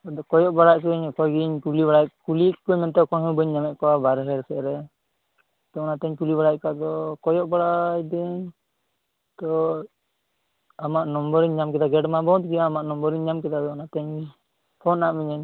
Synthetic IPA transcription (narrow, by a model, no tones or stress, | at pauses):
ad̪ɔkɔjɔʔbaɽaʔkɛɲkɔjɡiɲkulibaɽakulikɔɲmɛnt̪ɛkɔɦɔ̃bəɲːamɛʔ̚kɔwabaɾɛɦɛɾsɛʔɾɛ | t̪ɔɔnat̪ɛɲkulibaɽajkad̪ɔkɔjɔʔbaɽajd̪ɛɲ | t̪ɔ | amaʔnɔmbɔɾiɲɲamkɛd̪aɡɛɖmabɔt̪̚kiaːmaʔnɔmbɔɾiɲɲamkɛd̪ad̪ɔɔnat̪ɛɲ | pʰɔnːaʔmiɲɛɲ